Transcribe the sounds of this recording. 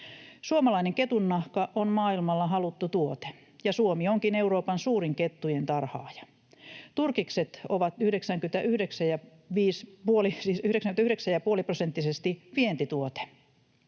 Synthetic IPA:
suomɑlɑineŋket̪unːɑhkɑʔonmɑːilmɑlːɑɦɑlut̪ːut̪uot̪e̥ | jɑsuomioŋkine̞uɾo̞ːpɑnsuːɾiŋket̪ːujent̪ɑrhɑ̰ːjɑ̥ | t̪urkikset̪oʋɑt̪yhdeksæŋkyt̪æʔyhdeksæjɑ | ʋiːspuolisiːsyhydeksæŋkynæyhɾeksæjɑpuoliprosent̪ːisest̪iʋient̪it̪uot̪e̥

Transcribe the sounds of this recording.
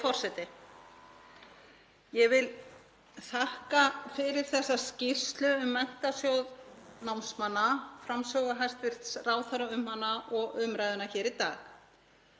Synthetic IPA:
fɔr̥sɛt̪ɪ | jɛvɪl | θahkafɪɾɪɾ̥θɛsːascɪr̥st̪lʏʏmːɛn̥t̪asjowðnawnsmanːafɾamsœɣaɦajst̪vɪɾ̥t̪sraːwθaɾaʏmhanːaʔɔɣʏmɾajðʏnaçɛːɾit̪a̰ːx

